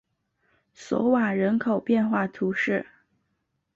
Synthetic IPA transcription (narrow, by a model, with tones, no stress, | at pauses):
sɔ̰˧˥wa˨˩ɻə˧˥nkʰo˨˩ʊpjɛ˥˧nxwa˥˩t̪ʰu˧˥ʂɻ̩˥˩